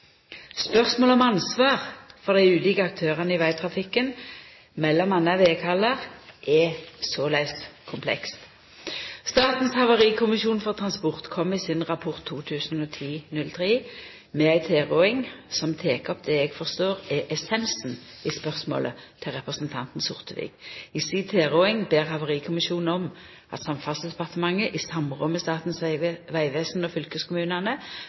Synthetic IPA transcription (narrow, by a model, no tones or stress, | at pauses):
spœʁsmoːləɔmɑnsʋɑːʁfɔʁd̪æɪʉːlɪːkəɑk̚t̪ʰøːʁənəɪʋæɪt̪ʰʁɑfɪkːən | mɛlːɔmɑnəʋeːkʰɑləʁʔɛsɔːlæɪskʰʊmpʰlɛ̰kst̪ | st̪ɑːt̪n̩shɑʋəʁiːkʰʊmɪʃuːnfɔʁt̪ʰʁɑnspɔʁt̪kʰɔmːiːsɪnʁɑpʰɔʁt̪ʰːuːt̪ʰʉːsn̩oːt̪ʰiːnʉlt̪ʰʁeː | mɛæɪt̪ʰeːʁoɪŋsɔmt̪ʰeːkəɔp̚d̪ɛːɛɡfɔʁst̪oːʁɛʔɛsɛnsn̩ɪspœʁsmo̰ːlʔə̰t̪ʰɪlʁɛpʁəsnt̪ʰɑnt̪n̩sʊʁt̪ʰəʋḭɡɪsit̪ʰeːʁoːɪŋbeːʁhɑʋəʁiːkʰʊmɪʃuːnn̩ɔm | ɑ̰t̪sɑmfɑnsd̪ɛpɑʁt̪əmɑŋːəʔɪsɑmʁɔmːəst̪ɑːt̪n̩sʋæɪʋeːsn̩ɔfʏlkəskʰʊmʉːnɑnə